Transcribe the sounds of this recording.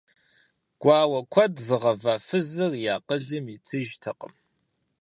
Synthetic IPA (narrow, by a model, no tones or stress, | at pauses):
ɡ̥ʷaːwɐkʷʰɐdzɨʁɐvɐfɨzɨrjaːqəɮɨmit͡sʰɨʒtʰɨqə̰m